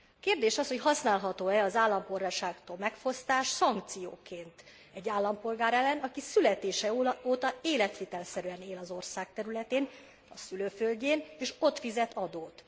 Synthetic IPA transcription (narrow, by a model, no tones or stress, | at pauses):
keːrd̪eːʃɒsho̞chɒsnaːlɦɒt̪oːɛɒzaːlːɒmpolraːʃaːkt̪oːlmɛkfo̞st̪aːʃsɒŋkt̪sijo̰ːkeːnt̪ | ɛɟːaːlːɒmpo̞lɡaːɾɛlːɛnɒkisylɛt̪eːʃɛoːt̪ɒeːlɛt̪ʋeːt̪ɛlsɛɾyɛneːlɒzo̞rsaːk̚t̪ɛɾylɛt̪eːn | ɒsyløːfølɟeːneːʃo̞t̪fizɛt̪ʰɒd̪oːt̪